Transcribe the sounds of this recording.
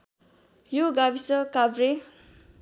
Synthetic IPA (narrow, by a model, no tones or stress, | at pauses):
joɡabisʌkabɾe